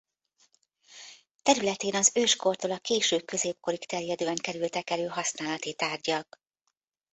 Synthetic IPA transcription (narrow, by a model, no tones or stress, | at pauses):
t̪ɛɾylɛt̪eːnɒzøːʃko̞rt̪oːlɒkeːʃøːkø̞zeːp̚ko̞ɾikt̪ɛrjɛd̪øːɛŋkɛɾylt̪ɛkɛløːɦɒsnaːlɒt̪it̪aːrɟɒk